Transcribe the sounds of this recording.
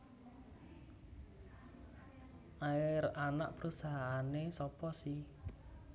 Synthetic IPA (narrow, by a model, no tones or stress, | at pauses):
ʔaɪɾanaʔpəɾusaɦaːnesɔpɔsi